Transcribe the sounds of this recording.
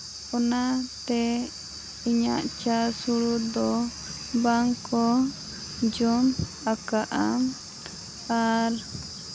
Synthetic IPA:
ɔnat̪ɛ | iɲa̰ʔt͡ʃasuɽud̪ɔ | baŋkɔ | d͡ʒɔm | akaʔam | aɾ

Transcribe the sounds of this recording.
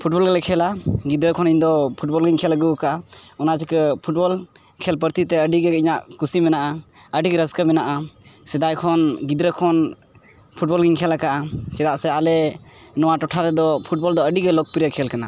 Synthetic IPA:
pʰuʈ̚bɔlɡalɛkʰɛlaɡid̪ɾəkʰɔniɲd̪ɔpʰuʈbɔlɡiɲkʰɛlaɡukaʔaɔnasikəpʰuʈ̚bɔl | kʰɛlpəɾt̪it̪ɛəɖiɡɛiɲaʔkusimɛnaʔaəɖikɾəskəmɛnaʔasɛd̪ajkʰɔnɡid̪ɾəkʰɔn | pʰuʈ̚bɔlɡiɲkʰɛlakaʔat͡ʃɛd̪aʔsɛalɛnɔwaʈɔʈʰaɾɛd̪ɔpʰuʈ̚bɔld̪ɔəɖiɡɛlɔk̚piɾəkʰɛlkana

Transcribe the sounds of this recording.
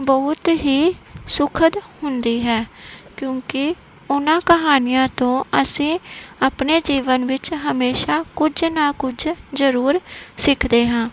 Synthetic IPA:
bəːʊt̪ɦiːsʊkʰəd̪hʊnd̪iːɦɛːkjõːkɪ | ʊnãːkəɦaːnɪjãːt̪õːəsĩːaːpneːd͡ʒiːʋənʋɪt͡ʃɦəmeːʃaːkʊd͡ʒnaːkʊd͡ʒzəɾuːɾsɪkʰd̪eːɦãː

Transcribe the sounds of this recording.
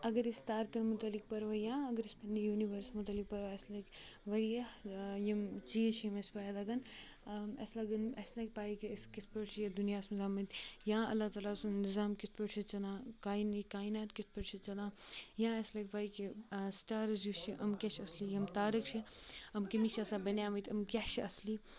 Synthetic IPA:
ɐɡɐɾist̪aːɾkɐnmʊt̪ɐlik̚pɐɾʋajãːɐɡəɾispʰɐnd̪ijuːniʋəɾsmʊt̪ɐlik̚pɐɾʋaɐslɐkʋɐɾijɐjɐmt͡ʃiːt͡ʃʰjimespaːjd̪ɐɡɐn | ɐ̰slaɡɐnɐslɐːk̚ʲpaːikeskisʰpɐʈt͡ʃʰijɐd̪unijaːsmɐzaːmɐt̪jãːɐ̰lːat̪aːlaːsnɪzaːmkisʰpɐʈt͡ʃʰit͡ʃɐlãːkaːinikaːinaːt̪kɪsʰpɐʈt͡ʃʰit͡ʃɐlãːjãːɐslɐkʲpaːikisʈaːɾzjut͡ʃʰiʔɐmkʲat͡ʃʰɐslijɐmt̪aːɾikt͡ʃʰiɐmkɐmit͡ʃʰɐsaːbɐnjaːmɐt̪ʰʲɐmkʲat͡ʃʰiɐsli

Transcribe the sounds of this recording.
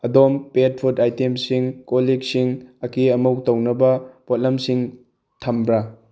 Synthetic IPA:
ɐdompet̚pʰutajtemsiŋkolik̚siŋɐkiɐmuwtɐwnɐbɐpot̚lɐmsiŋ | tʰɐmbɾa

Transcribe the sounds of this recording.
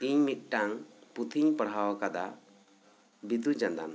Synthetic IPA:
iɲmit̪̚ˀʈaŋput̪ʰiɲpəɽɦawakad̪a | bid̪ud͡ʒãnd̪a̰n

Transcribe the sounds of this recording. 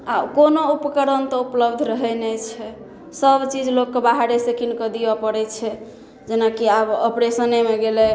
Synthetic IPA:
akonoupkəɾənt̪ɔupləbd̪ʱɾəɦɛnɛt͡ʃʰɛ | səbt͡ʃid͡ʒlokːebaɦaɾesekʰinkəd̪ibapəɾɛt͡ʃʰɛ | d͡ʒenakiabəpɾesənemeɡelɛ

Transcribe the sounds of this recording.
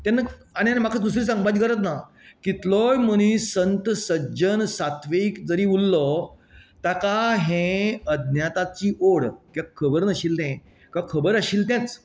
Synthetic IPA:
t̪ãnːəaɽ̃ianm̤akʰad̪us̬ɾiːsãŋɡbad͡ʑ̪ɡəɾət̪̬na | kit̪lɔjməɽ̃ĩsənt̪əsəd͡ʑənsat̪ʋekd͡zəɾiːulːɔ | t̪akaɦẽəd̪njat̪at͡ɕiːʔoɽkjakʰːəbəɾnəɕiːlt̪ɛ̃ | kakʰəbəɾəɕiːlt̪̬ãt͡s

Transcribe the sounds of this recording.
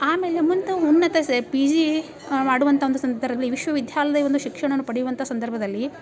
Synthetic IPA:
aːme̞ːlemunt̪ɐunːɐt̪ɐsepid͡ʒi | maːɽuʋɐnt̪ʰɐo̞nd̪usɐnd̪ɐɾɐlːiʋiʃʋɐʋid̪ʱjaːlɐd̪ɐiʋond̪uʃikʂɐɳ̃ɐnːupɐɽijuʋɐnt̪ʰɐːsɐnd̪ɐɾbʱɐd̪ɐlːi

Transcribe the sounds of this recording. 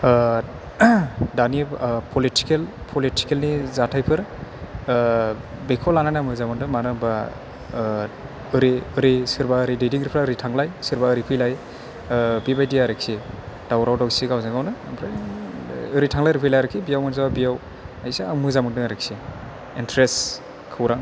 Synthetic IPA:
danipʰɔliti̥kelpʰoliti̥kelnizatʰajpʰɯɾ | bekʰɔlananamɯzamɯndɯŋmanɯba | ɯɾiɯɾisɯɾbaɯɾidediŋɾipʰɾaɯɾitʰaŋlajsɯɾbaɯɾipʰɯjlaj | bibajdijaɾɯksid̥awɾawdawsiɡawzaɡawnɯpʰɾa | ɯɾitʰaŋlajɾipʰɯjlajɾɯkʰibijawmɯnzababijaw | ajseamɯzamɯndɯŋaɾek̚si | intʰɾes | kʰɯwɾaŋ

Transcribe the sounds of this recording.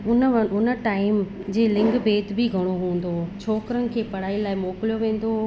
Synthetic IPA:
ʊnəʊnə̆ʈaːɪm | d͡ʑeːlɪ̃ŋɡbeːt̪bʱɪɡʱɐɽ̃oɦũːə̃n̆d̪oːt͡ɕʰoːkɾənɪ̆kʰeːpɐɽ̤aːilaːɪmoːklijoʋẽːn̆d̪o

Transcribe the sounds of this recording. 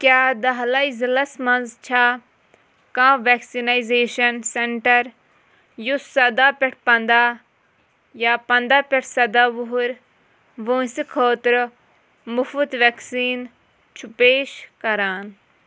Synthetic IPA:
kjaːd̪ɐɦlɐizilɐsmɐnzt͡ʃʰaː | kãːʋeksinajzeːʃɐnseɳʈɐɾ | jusːɐd̪aːpʲɛʈ̚ʰpɐnd̪aː | jaːpɐnd̪aːpʲeʈʰsɐd̪aːʋuɦɾ | ʋoːsikʰoːt̪ɾ | mufut̪ʋeksiːn | t͡ʃʰupeːʃkɐɾaːn

